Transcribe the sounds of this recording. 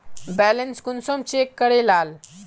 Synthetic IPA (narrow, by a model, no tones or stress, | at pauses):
bɛːlenskunsomt͡ɕeːkːəɽelaːl